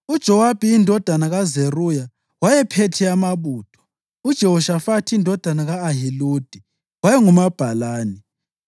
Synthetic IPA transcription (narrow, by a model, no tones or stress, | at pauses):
ud̥ʒ̥ʱɔwab̥ʱiindʱɔd̥ʱanaɣazeruja | wajɛpʰetʰɛamaβuːtʰɔ̥ | ud̥ʒ̥ʱɛɦɔʃafatʰiːndʱɔd̥ʱanaɣaːɦilud̥ʱi | wajɛŋumab̥ʱalaːni